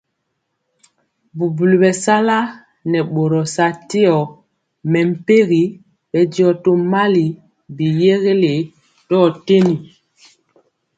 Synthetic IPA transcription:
bu˨bu˨lu˨bɛ˨sa˦la˦ | nɛ˨ɓo˨ɾɔ˨sa˦te˦ɔ˨ | mɛ˨m̩˨pe˦ɣi˨˦ | bɛ˨djɔ˨to˦ma˦li˨ | bi˨je˦ɣe˦le˨ | tɔ˦˨te˦ni˨

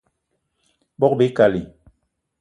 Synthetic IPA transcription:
bɔ˦k̚be˨˦ka˨li˨

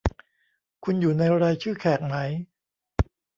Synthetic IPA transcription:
kʰu˧njuː˨˩na˧jɾaː˧jt͡ɕʰɯː˥˩kʰɛː˨˩k̚ma˦˥j

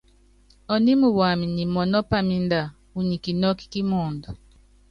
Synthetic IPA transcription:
ɔ˨ni˦mu˨wa˨mi˨ni˨mɔ˨nɔ˦pa˨mi˦n˦da˨ | u˨ɲi˨ki˨nɔ˦ki̥˦ki˦mɔː˨ndɔ˨

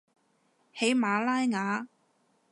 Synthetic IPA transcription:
he˨˥jmaː˨˧laː˥jŋaː˨˥

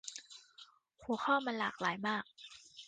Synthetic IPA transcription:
hu˨˩˦xʰɔː˥˩maː˧nla̰ː˨˩k̚laː˩˦jmaː˥˩k̚

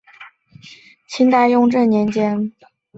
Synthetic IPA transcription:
t͡ɕʰi˥nt̪a˥˧ɪjʊ˥˧ŋʈ͡ʂə˥˩nnjɛ˧˥nt͡ɕjɛ˥n

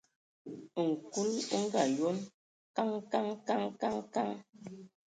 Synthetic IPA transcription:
ŋ̩˨ku˦lŋ̩˦ɡa˨jo˦n | ka˦ŋka˦ŋka˦ŋka˦ŋka˦ŋ

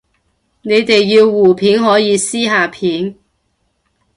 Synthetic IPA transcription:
ne˨˧jt̪e˨jːiː˧wːuː˨˩pʰiː˨˥nɦɔː˨˥jiː˨˧siː˥ɦaː˨pʰiː˨˥n

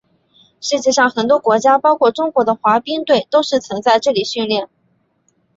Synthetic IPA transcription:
ʂɻ̩˥˧t͡ɕjɛ˥˧ʂɑ˥˩ŋxə˨˩nt̪wɔ˥kwɔ˧˥t͡ɕja˥pɑ˥ʊkʰwɔ˥˩ʈ͡ʂʊ˥ŋkwɔ˧˥d̪ə˧xwa˧˥pi˥ŋt̪we˥˩ɪt̪o˥ʊʂɻ̩˥˩t͡sʰə˧˥ŋt͡sa˥˧ɪʈ͡ʂɤ˥˩li˨˩ɕy˥˧nljɛ˥˩n

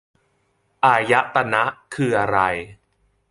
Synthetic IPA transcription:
ʔaː˧ja˦˥ʔt̪a˧na˦˥ʔkʰɯː˧ʔa˧ɾa˧j

